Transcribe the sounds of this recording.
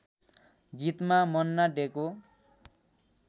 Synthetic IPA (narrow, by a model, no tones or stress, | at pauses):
ɡit̪mamʌnːaɖeko